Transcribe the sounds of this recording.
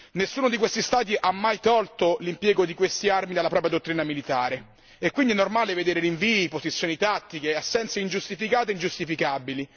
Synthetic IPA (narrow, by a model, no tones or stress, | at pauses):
nesːuːnod̪ikwest̪ist̪aːt̪̬iʔamːajt̪ɔlt̪olimpjɛːɡod̪ikwest̪iarmid̪alːapɾɔːpɾjad̪ot̪ːɾiːnamilit̪aːɾe | ɛkwind̪iɛnːormaːleved̪eːɾeɾiɱviːipozit̪sːjoːnit̪at̪ːik̟easːɛnt̪seind͡ʒust̪ifikaːt̪eind͡ʒust̪ifikabili